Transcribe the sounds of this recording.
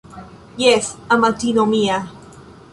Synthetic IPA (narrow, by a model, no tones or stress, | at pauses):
jeθamat̪inomia